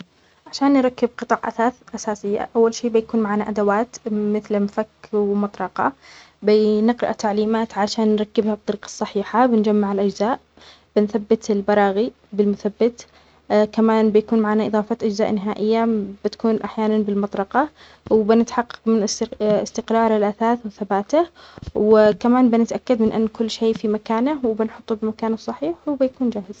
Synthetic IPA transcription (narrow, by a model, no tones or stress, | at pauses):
ʕaʃaːnːɾˤɑkːɪb̚qɨt̪ˤɑːʕʔaaʔasaːsɪjːa̰ʔawːalʃiːbɪjakuːnmaʕaːnaʔad̪awaːt̪mɪθlmfakːwmɑt̪ˤɾˤɑqɑ̰ | bɪnɪqɾɪʔat̪aʕliːmaːt̪ʕaʃaːnːɾˤɑkːɪbhab̚t̪ˤːɑɾiːqɑ̥sˤːɑħiːħabɪnd͡ʒamːaʕɪlʔad͡ʒzaːʔ | b̥ɪnθabːɪt̪ɪlbɑɾˤɑːɣi | bɪlmʊθabːɪt̪ | kamaːnbɪjakuːnmaʕaːnaʔɨðˤɑːfɑt̪ʔad͡ʒzaːʔnɪɦaːʔɪjːab̥ɪt̪ḁkuːnʔaħjaːnanbɪlmɑt̪ˤɾɑqɑ | wɪbɪnɪt̪ħɑqːɑ̥qmɪnɪst̪ɪqɾɑːɾˤɪlʔaθaːθwɪθabaːt̪ahwɪkamaːnbɪnɪt̪ʔakːad̪mɪnʔa̰nːkʊlːʃeːfimakaːnawbɪnħʊt̪ˤːubɪmakaːnasˤɑħiːħwbɪjakuːnd͡ʒaːhɪz̥